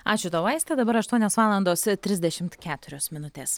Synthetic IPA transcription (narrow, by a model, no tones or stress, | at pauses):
ɑːt͡ʃʲʊt̪ɐːʋɐɪsʲt̪ʲɛd̪ɐbɐɾɐʃt̪uɔnʲoːsʋɑːlˠɐnd̪oːst̪ʲɾʲɪzʲd̪ʲɛʃʲɪmt̪kʲæːt̪ʊɾʲoːsmʲɪnʊt̪ʲeːs